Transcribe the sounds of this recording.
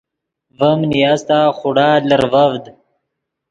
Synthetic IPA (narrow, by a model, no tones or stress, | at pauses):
vəmnijast̪aːχʊɽaːləɾvavd̪